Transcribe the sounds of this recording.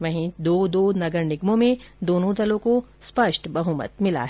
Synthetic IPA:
ʋɐɦĩd̪oːd̪oːnɐɡəɾnɪɡmõmẽd̪oːnõd̪ɐlõko | spɐʃʈbɐɦuːmə̰t̪mɪla̰ɦɛ

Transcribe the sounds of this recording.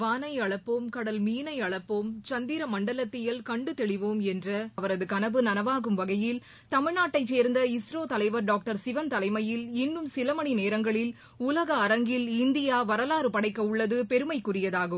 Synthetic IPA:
ʋaːnɐɪɐɭɐpːoːmkɐɽɐlmiːnɐɪɐɭɐpːoːmt͡ʃɐnd̪iːɾɐmɐɳɖɐlɐt̪ːɪjɐlkɐɳɖɯt̪ɛɭɪʋoːmɛndrɐɐʋɐɾɐðɯkɐnɐʋɯnɐnɐʋaːɣɯmʋɐɣɐjɪl | t̪ɐmɪɻnaːʈːɐɪt͡ʃːeːɾnd̪ɐɪsɾoːt̪ɐlɐɪʋɐɾɖaːk̚ʈɐɾsɪʋɐnt̪ɐlɐɪmɐjɪlɪnːɯmsɪlɐmɐɳineːɾɐŋɡɐɭɪl | ʊlɐɣɐːɾɐŋɡɪlɪnd̪ɪjaːʋɐɾɐlaːɾɯpɐɽɐɪkːɐʊɭːɐðɯpɛɾɯmɐɪkːʊrɪjɐðaːɣɯm

